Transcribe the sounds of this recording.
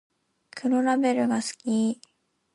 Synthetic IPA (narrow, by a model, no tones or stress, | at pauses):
kʰɯ̟ɾoɾabe̞ɾɯ̟ɡasɨ̥kʲi